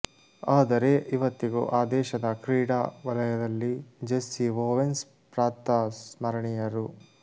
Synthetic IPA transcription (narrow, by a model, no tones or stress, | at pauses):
aːd̪ɐɾe̞ʔiʋɐt̪ːiɡṵʔaːd̪ɛːʃɐd̪ɐkɾiːɽaːʋɐlɐjɐd̪ɐlːid͡ʒesːiʋoːʋens | pɾaːt̪ːɐsmɐɾɐɳijɐɾu